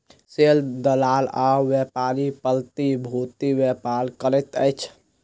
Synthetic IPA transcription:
seld̪əlalawjepaɾipəlt̪ibʱut̪iwjepaɾkəɾɛt̪əɪt͡ʃʰ

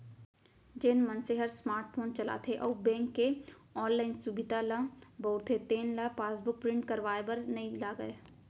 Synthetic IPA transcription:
d͡ʒenmɐnseɦɐɾsmaːɾʈpʰoːnt͡ʃɐla̰t̪ʰeʔɔːbɛ̃ːŋkːe | ɔːnlaːɪnsubɪd̪alə̃bɔːɾt̪ʰet̪eːnlɐpaːsbʊk̚pɾɪ̃ɳʈkɐɾʋaːebɐɾnɐĩlaːɡɐe

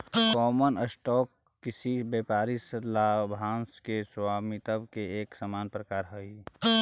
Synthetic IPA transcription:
kɔːmənəsʈɔːkː | ɪsibeːpaːɾislabʱaːnskeswaːmit̪əbkeeːksəmaːnpɾəkaːɾɦəi

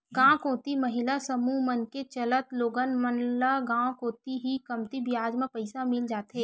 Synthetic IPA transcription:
ɡãːkõːt̪iməɦɪlasəmumənket͡ʃələt̪loːɡənmənlaɡãːkõːt̪iɦikɐmt̪ibjaːd͡ʒmẽpəɪsamɪld͡ʒaːt̪ɦeː

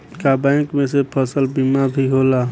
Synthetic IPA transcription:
kabɛ̃kmẽsepʰəsəlbimabʱiɦolaː

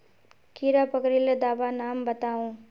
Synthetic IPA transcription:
kiːɾapəkɾiled̪aːbanaːmbɐt̪aːũː

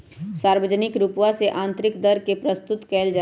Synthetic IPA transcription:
saːɾwəd͡ʒənɪkɾuːpwaseʔãːnt̪ɾɪkd̪əɾkepɾəst̪ʊt̪kɛːld͡ʒa

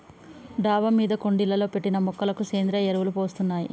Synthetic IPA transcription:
ɖaːʋɐmiːd̪ɐko̞ɳɖilːɐlo̞ːpe̞ʈːinɐmɔkːɐlɐkuseːnd̪ɾɐeɾɐʋulupo̞ːst̪unːaːjḭ

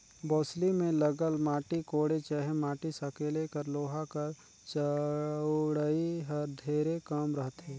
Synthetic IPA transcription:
boːslimẽləɡəlmaːʈikoːɽet͡ʃəɦemaːʈisəkeːlekəɾloːɦakəɾ | t͡ʃə | ɽəiɦəɾd̪ʱeːɾekəmɾəɦt̪ɦẽː

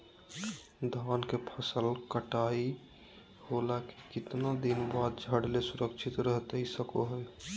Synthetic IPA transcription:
d̪ʱankepʰəsəlkəʈai | holakekɪt̪nad̪inbad̪̚d͡ʒʱəɽlesuɾəkt͡ʃʰit̪ɾəɦt̪isəkoɦəl

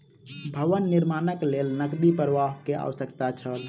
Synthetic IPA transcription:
bʱəʋənːiɾmanəklelnəkd̪ipɾəʋaɦkeʔa̰wsəkt̪at͡ʃʰəl

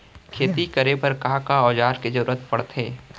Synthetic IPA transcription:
kʰeːt̪ikɐɾepɐɾkakaɔːd͡ʒaːɾkezɐɾuːɾət̪pɐɽt̪ɦeː

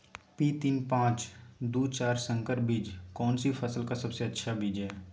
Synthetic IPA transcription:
piːt̪inpãːt͡ʃd̪uːt͡ʃaːɾsə̃ŋkəɾbiːd͡ʒkɔːnsipʰəsəlkasɐbseɐtːʃʰabiːd͡ʒɦɛː

